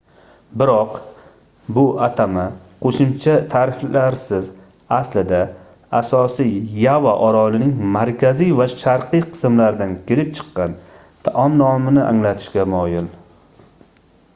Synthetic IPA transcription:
bɪɾɒq | bʊʔat̪ʰama | qʰoʃɪmt͡ʃʰat̪ʰaːɾɪflaɾsɪz | aslɪd̪a | asɒsijjavaʔɒɾɒlɪnɪŋmaɾkʲʰazijvaʃaɾqʰɨjqʰɨ̥smlaɾd̪ankʲʰɪɾɪp̚t͡ʃʰɨ̥qːɑn | t̪ʰaʔɒmnɒmɪnɪʔa̰ŋlat̪ʰɪ̥ʃkʲamɒjɪl

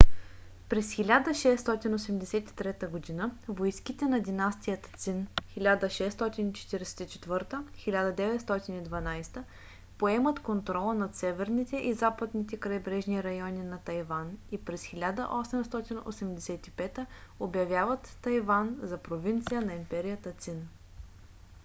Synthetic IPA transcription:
pɾɛsxilʲad̪əʃɛst̪ɔt̪inosɛmd̪ɛsɛt̪i̥t̪ɾɛt̪əɡod̪inəvojskit̪ɛnɐd̪inast̪ijət̪t̪sinxilʲad̪əʃɛst̪ɔt̪init͡ʃɛ̥t̪iɾɛsɛ̥t̪it͡ʃɛ̥t̪vɤɾt̪əxilʲad̪ɐd̪ɛvɛt̪st̪ɔt̪inid̪vɐnajst̪ə | poɛmət̪kont̪ɾɔlˠənɐt̪sɛvɛɾnit̪ɛʔizapəd̪nit̪ɛkɾɐjbɾɛʒniɾɐjɔninɐt̪ɐjvanipɾɛsxilʲad̪ə̰ʔɔsɛmst̪ɔt̪ino̰sɛmd̪ɛsɛt̪ipɛt̪əobjɐvʲjavɐt̪ːɐjvanzɐpɾovint̪sijənɐimpɛɾijət̪ət̪sin

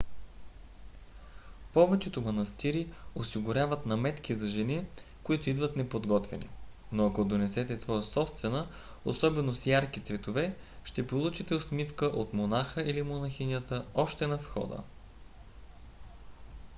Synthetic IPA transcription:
pɔvɛt͡ʃɛt̪omɐnɐst̪iɾiosiɡʊɾʲjavət̪nɐmɛt̪k̟izɐʒɛni | koit̪ʊid̪vət̪nɛpod̪ɡɔt̪vɛ̰nḭnoɐkod̪onɛsɛt̪ɛsvɔjəsɔpst̪vɛnə | o̰sɔbɛnosjaɾkit̪svɛt̪ovɛ | ʃt̪ɛpolˠut͡ʃit̪ɛosmifkəʔot̪monaxəʔilimonɐxinʲjət̪əɔʃt̪ɛnɐfxɔ̰d̪ə̰

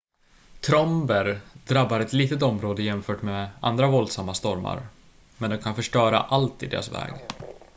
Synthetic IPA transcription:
t̪ʰɾɔmbəɾd̪ɾabːaɾɛt̪liːt̪ət̪ɔmɾoːd̪əjɛmfœːʈmeːʔa̰nd̪ɾavɔld̪samːast̪ɔɾma̰ɾ | mɛnd̪ɔmkʰanfœʂʈœːɾa̰ʔalt̪ɪd̪ḛːɾasvɛ̰ːɡ

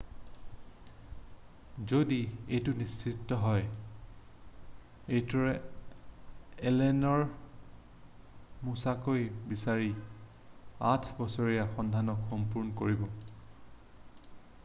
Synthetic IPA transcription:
zodiejtʊnistʰɹitːɔɦɔj | ejtɔɹɛ | ɛlɛnɔɹ | musakojbisaɹi | atʰbɔsoɹijaxɔndʱanɔkxɔmpuɹnɔkoɹibɔ

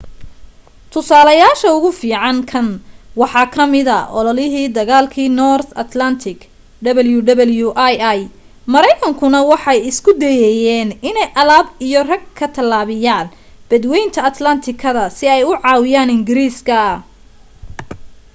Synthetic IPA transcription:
t̪ʰʊsaːlɐjaːʃɐʊɣʊfiːʕɑŋkʰɐnwɑħɑːkʰɐmɪðɐʔɔlɔlɪɦiːd̪ɐɣaːlkʰiːnɔrθɐt̪lɐnt̪ʰɪk | ɖɐβɐljuɖ̪ɐβɐljuʔajaj | mɐɾɛjkʰɐŋkʰʊnɐwɑħɑjɪskʰʊd̪ɛjɛjɛːnɪnɛjʔɐlaːbijɔrɐɡ̚kʰɐt̪ʰɐlːaːβɪjaːn | b̥ɐd̪wɛjnt̪ʰɐːt̪lɐnt̪ʰɪkʰɐðɐsɪɛjʊʕɑːwɪjaːnɪŋɡɪɾiːskʰɐɐ

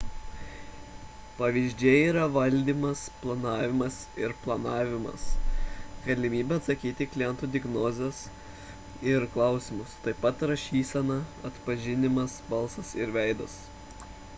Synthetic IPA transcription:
pɐʋʲizʲd͡ʒʲɛiːɾɐʋɐlʲd̪ʲiːmɐsplˠɐnɑːʋʲɪmɐsɪɾplˠɐnɑːʋʲɪmɐ̰s | ɡ̥ɐlʲɪmʲiːbʲɛɐt̪sɐkʲiːt̪ʲɪklʲɪjɛnt̪uːd̪ʲɛɡnoːzʲɛs | ɪɾklˠɐˑʊsʲɪmʊst̪ɐɪpɐt̪ɾɐʃʲiːsʲɛnɐɐt̪pɐʒʲɪnʲɪmɐsbɐlˠsɐsɪɾʋʲɛɪd̪ɐs

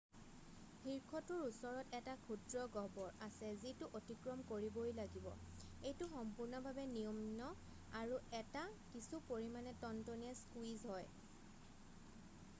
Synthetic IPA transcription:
hʰiɹkʰɔtʊɹusɔɹɔtɛtakʰudɹɔɡɔbɔɹasɛzitʊʔotikɹɔmkoɹibojlaɡibɔ̰ | ejtʊxɔmpuɹnɔbʱabɛnijɔmnɔ | aɹuɛtakisupoɹimanɛtɔntoniaskwizɦɔj

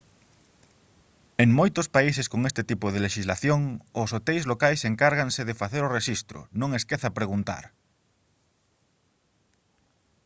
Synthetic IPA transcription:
eŋmojt̪ʊspaiseskoŋest̪ɪt̪ipʊð̞eleʃizlaθjoŋʊsot̪ɛjzlokajseŋkaɾɣanseðefaθeɾʊreʃist̪ɾʊ̰nõŋeskeθapɾeɣunt̪a̰ɾ

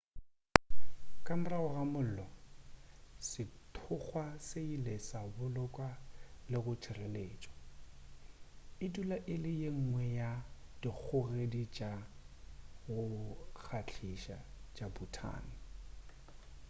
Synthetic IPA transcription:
kʼamʊraɣɔɣamʊl̩lɔ | sɪtʰʊk͡xwaseilesabʊlʊkʼwalɪɣʊt͡ʃʰɪreleːt͡ʃʼɔ̥ | ɪdulaʔɪlɪjeŋ̩ŋwɛjad̥ik͡xʰʊɣedit͡ʃʼa | ɣʊk͡xʰat͡ɬʰiʃa̰t͡ʃʼabutʰa̰ːnɪ

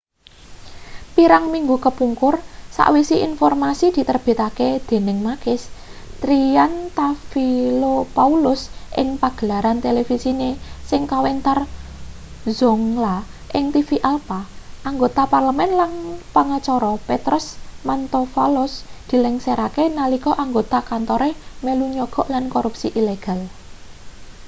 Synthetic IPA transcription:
piɾaŋmiŋɡukəpuŋkʊrsa̰ʔwisiʔinfɔrmasid̪̥i̤t̪ərb̥i̤t̪aked̪̥e̤nɪŋmakɪst̪ɾiant̪afilopaulʊsʔɪ̰ŋpaɡ̥ə̤laɾant̪elefisinesɪŋkawɛnt̪ar | zɔŋlaʔɪŋt̪ifiʔalpaʔaŋɡot̪aparləmɛnlanpaŋat͡ʃɔɾɔpet̪ɾʊsmant̪ofalʊsd̪̥i̤lɛŋseɾakenalikɔʔaŋɡot̪akant̪ɔɾemeluɲɔɡ̥ɔ̤ʔlankoɾupsiʔileɡ̥a̤l

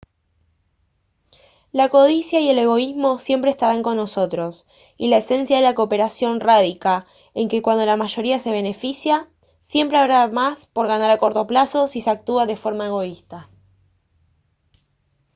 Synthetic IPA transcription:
lako̞ðisjaie̞le̞ɣ̞o̞izmo̞sje̞mpɾeest̪aɾaŋko̞nːo̞so̞t̪ɾo̞s | ilaese̞nsjaðe̞lakope̞ɾasjo̞nraðika | e̞ŋkekwand̪o̞lamaʒo̞ɾiase̞β̞e̞ne̞fisja | sje̞mpɾeaβɾamaspo̞ɾɣanaɾako̞ɾt̪o̞plaso̞siseak̚t̪uaðe̞fo̞ɾmae̞ɣo̞ist̪a

